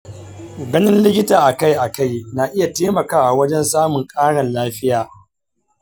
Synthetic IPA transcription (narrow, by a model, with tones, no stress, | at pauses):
ɡɐ˦nɪ˦nlɪ˦kʲɪ˦taː˨ʔa˨ka˦jʔa˨ka˦˨jna˨ʔɪ˦ja˨teː˦mɐ˨kaː˦ʔa˨wɐ˦d͡ʒɛ˦nsaː˦mʊ˨ŋkʼaː˦ɽɐ˨nlaː˦ɸɪ˦jaː˨